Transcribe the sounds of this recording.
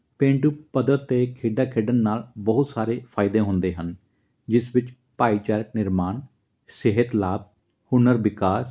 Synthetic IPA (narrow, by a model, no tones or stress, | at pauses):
pẽːɳʈuːpəd̪əɾt̪eːkʰeːɖaːkʰeːɖənːaːlbəɦʊt̪saːɾeːpʰaːɪd̪ẽːɦʊ̃nd̪eːɦən | d͡ʒɪsʋɪt͡ʃ | paːiːt͡ʃaːɾək̚nɪɾmaːn | sɪɦət̪laːb̚ | hʊnəɾʋɪkaːs